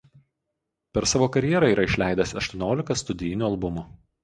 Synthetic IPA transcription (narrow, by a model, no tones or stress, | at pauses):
pʲɛɾsɑːʋoːkɐɾʲjiɛɾɐˑiːɾɐɪʃʲlʲæˑɪd̪ʲɐsɐʃt̪uɔnʲoːlʲɪkɐst̪ʊd̪ʲɪjɪnʲuːɐlˠbʊmʊ